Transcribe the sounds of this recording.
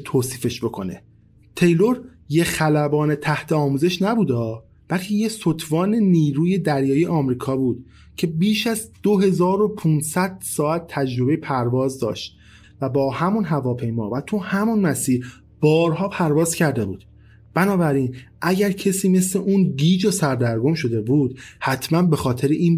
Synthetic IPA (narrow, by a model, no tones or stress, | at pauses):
t̪ʰoːsiːfe̞ʃbo̞kʰo̞ne | t̪ʰe̞jloɾ | jexælæbɒːnet̪ʰæht̪ʰe̞ɒːmuːze̞ʃnæbuːd̪ɒː | b̥ælcʰejesot̪ʰvɒːneniːɾuːje̞d̪æɾjɒːjieʔɒːmɾiːkʰɒːbuːd̪̥ | cʰe̞biːʃæzd̪̥oɦe̞zɒːɾo̞pʰunsæd̪̥sɒːæt̪̚ʰːæd͡ʒɾo̞be̞jepʰæɾvɒːzd̪ɒ̰ːʃt̪̚ | væbɒːhæmunɦævɒːpʰe̞jmɒ̰ːvæt̪ʰuhæmunmæsiːɾ | b̥ɒːɾɦɒːpʰæɾvɒːzcʰæɾd̪e̞bṵːd̪̥ | b̥ænɒːbæɾiːnʔæɟæɾcʰesiːme̞sleʔunɡiːd͡ʒosæɾd̪æɾɡo̞mʃo̞d̪e̞buːd̪̥hæt̪ʰmænbe̞xɒːt̪ʰe̞ɾeʔiːn